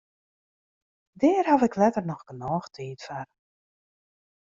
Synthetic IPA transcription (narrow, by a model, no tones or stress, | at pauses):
dɛːrɦavɪklɛtərnɔxɡ̥ənɔːxtʰiːtfar